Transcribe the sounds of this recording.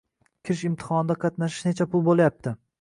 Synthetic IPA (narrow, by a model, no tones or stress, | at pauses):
kʲʰɪɾɪʃɪmt̪ʰɪ̥hɒnɪd̪aqʰɑt̪naʃɪ̥ʃnet͡ʃʰapʰʊlˠbolˠajap̚t̪ʰɪ